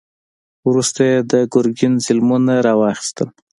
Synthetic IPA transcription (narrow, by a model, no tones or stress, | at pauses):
wɾust̪ajed̪əɡʊɾɡɪnzɪlmunaɾɑwɑxi̥st̪əl